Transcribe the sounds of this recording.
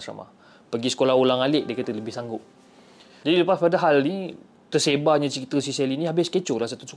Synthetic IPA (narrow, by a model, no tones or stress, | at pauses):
sa̰ma̰ | pəɡisə̥kolahulaŋalɪʔ̚diəkət̪ələbɪhsaŋɡʊp̚ | d͡ʒadiləpaspadaɦalni | t̪ərsebaɲat͡ʃəkit̪əs̬isɛliniɦabɪskət͡ʃʊlahsat̪usu